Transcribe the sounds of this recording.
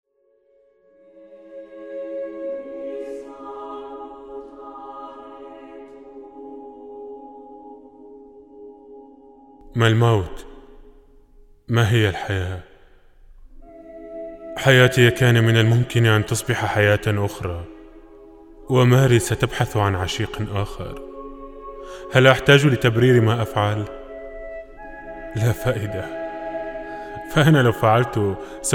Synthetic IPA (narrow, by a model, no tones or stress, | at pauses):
malmawt̪ | maɦɪjːalħajaː | ħajaːt̪ɪkaːnamɪnalmʊmkɪnʔant̪ɨsˤbɪħaħajaːt̪ʔʊxɾˤɑː | wɪmaːɾisat̪abħaθʕanʕaʃiːqʔaːxɑ̰ɾˤ | halʔaħt̪aːd͡ʒlɪt̪abɾiːɾimaʔafʕal | lafaːʔɪd̪a | faʔanalawfaʕalt̪ʊ | s